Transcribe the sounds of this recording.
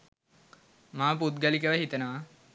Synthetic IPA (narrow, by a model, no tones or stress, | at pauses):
maːput̪̚ɡəlikəʋəɦit̪ənəʋa